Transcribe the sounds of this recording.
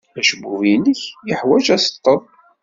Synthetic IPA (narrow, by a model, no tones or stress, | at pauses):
æʃəbuvinəçjəħwæd͡ʒæsə̥t̪ˤːəðˤ